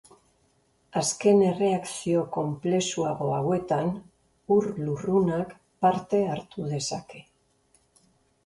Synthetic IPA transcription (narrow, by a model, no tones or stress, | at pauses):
aske̞ne̞re̞aksio̞ko̞mple̞suaɣo̞awe̞t̪an | uɾlurunak | paɾt̪e̞aɾt̪uð̞e̞sake̞